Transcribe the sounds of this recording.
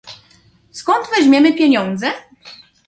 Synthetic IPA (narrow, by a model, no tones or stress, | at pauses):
skɔnt̪vɛʑmʲjɛmɘpʲjɛɲɔnd̪zɛ